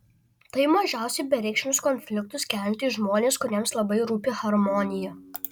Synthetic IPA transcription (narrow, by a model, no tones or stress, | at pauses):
t̪ɐɪmɐʒʲæˑʊsʲɛbʲɛɾʲɛɪkʃʲɪnʲʊskɔnʲfʲlʲɪkt̪ʊskʲæˑlʲnt̪ʲiːʒmoːnʲeːskʊɾʲiɛmslˠɐbɐɪɾuːpʲeːxɐɾmɔːnʲɪjɛ